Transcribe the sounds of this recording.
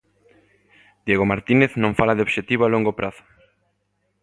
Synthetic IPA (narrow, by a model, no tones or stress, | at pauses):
d̪jeɣomaɾt̪ineθnõɱfalaðeoβʃet̪iβoaloŋɡopɾʔaθʊ̥